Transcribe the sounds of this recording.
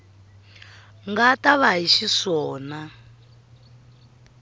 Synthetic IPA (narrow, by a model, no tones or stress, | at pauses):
ŋɡataβaɦiʃiʂɔːna